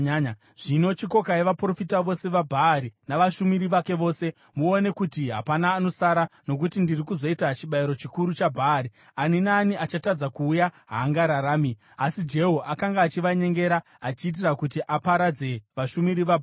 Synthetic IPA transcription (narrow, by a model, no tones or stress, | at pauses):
ʐ̥ino̞t͡ʃiko̞kaeʋapro̞fitaʋo̞se̞ʋabʱaːɾinaʋaʃumiɾiʋake̞ʋo̞ːse̞ | muone̞kutiɦa̰panaːno̞saɾano̞k̬utindirikuzo̞itat͡ʃiɓaiɾo̞t͡ʃikuɾut͡ʃabʱaːɾi | aninaːniʔat͡ʃatad͡zakuːjaɦaːŋɡaɾaɾaːmi | asid͡ʒe̞ɦoʔakaŋɡaːt͡ʃiʋaɲe̞ŋɡe̞ɾa | at͡ʃiːt̬irakutiʔapaɾad͡ze̞ʋaʃumiɾiʋabʱ